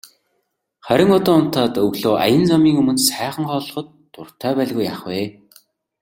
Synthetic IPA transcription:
χæɾʲɪ̆ŋɔt̪ɔːʊn̥t̪ʰaːt̪ɵɣɮoːʔa̰jə̆nt͡samiːŋɵmɵ̆nsæːχə̆ŋχɔːɮɞ̆χɞ̆t̪ː | ʊr̥t̪ʰœːpæːɮɣujaχweː

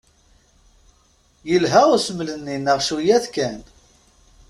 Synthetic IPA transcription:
jəlɦæʁʊsəmlənːinəʁʃujæθkæn

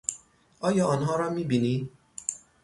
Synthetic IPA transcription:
ɒːjɒːɔnɦɒːɾɒːmiːbini

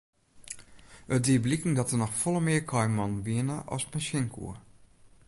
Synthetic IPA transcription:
ətdiblikəŋ̩dɔtənɔxfɔlˠəmɪəkʰɔjmɔnʋiənəʔɔ̰smɛnsɪŋkʰṵə

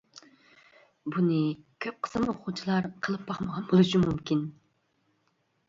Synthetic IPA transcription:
bunɨkʲʰøp̚qʰə̥smʊχʊt͡ʃʰilˠɑɾqʰəlˠɨp̚bɑχməʁɑnbolˠuʃimumkʲin

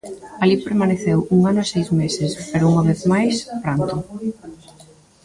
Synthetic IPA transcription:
alipeɾmaneθewuŋanʊesejzmesɪspeɾʊuŋaβeθmajspɾant̪ʊ

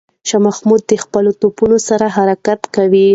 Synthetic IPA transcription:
ʃamaxmud̪̚ːəxpəlot̪opunosaɾaɦaɾakat̪kawi

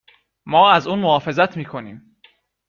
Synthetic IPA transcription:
mɒːæzuːnmohɒːfe̞zæt̪ʰmiːkʰo̞niːm

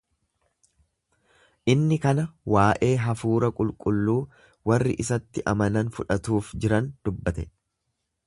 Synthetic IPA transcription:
ʔɪnːɪkɐnɐwaːʔe̞ːɦɐfuːɾɐkʼʊlkʼʊlːuː | wɐrːɪʔɪsɐt̪ːɪʔɐmɐnɐnfʊᶑɐt̪uːfd͡ʒɪɾɐnd̪̥ʊbːɐt̪ɛ

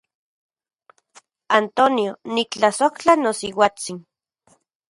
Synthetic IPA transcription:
ant̪onionik̚t͡ɬasoht͡ɬanosiwat͡sin

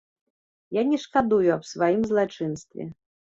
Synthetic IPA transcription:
janʲɛʂkad̪ujuɐpsvajimzlˠat͡ʂɨnst̪vʲɛ̰

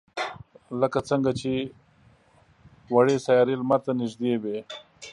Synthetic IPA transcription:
ləkat͡səŋɡat͡ʃe | waɽesajɑɾelmaɾt̪anɪʒd̪ewe

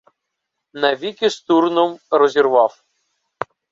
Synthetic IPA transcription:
nɐʋʲikʲɪst̪urnɔmɾɔzʲirʋɑw

